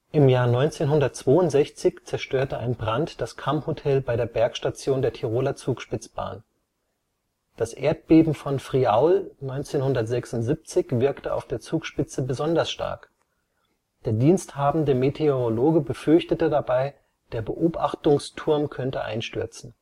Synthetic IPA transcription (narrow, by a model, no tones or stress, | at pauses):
ʔɪmjaːɐnɔʏnt͡seːnɦʊndɐt̚t͡sv̥oːʊntz̥ɛçt͡sɪçt͡sɛɐʃtøːɐtəʔaɪnbʁantd̥askʰamhotʰɛlbaɪɾeːɐbɛɐkʃtat͡sjoːndeːɐtʰiʁ̞oːlɐt͡suːkʃpɪt͡sb̥a̰ːn | d̥asʔeːɐt̚b̥eːbm̩fɔnfʁ̥iaʊlnɔʏnt͡seːnhʊndɐtz̥ɛksʊntz̥ip̚t͡sɪçv̥ɪɐktəa̰ʊfd̥eːɐt͡suːkʃpɪt͡səbəzɔndɐsʃta̰ɐk | d̥eːɐdiːnsthaːbm̩dəmetʰeoʁoloːɡəbəfʏɐçtətədabaɪ | d̥eːɐbəʔoːpʔaχtʊŋstʰʊɐmkʰœntəʔa̰ɪnʃtʏɐt͡sn̩